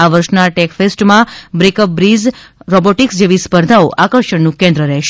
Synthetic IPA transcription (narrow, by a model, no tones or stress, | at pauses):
aʋəɾʃnaʈɛkfesʈmãbɾekəp̚bɾizɾɔboʈiksd͡ʒeʋispəɾd̪ʱaoʔakəɾʃəɳnũkɛ̃nd̪ɾəɾɛɦʃe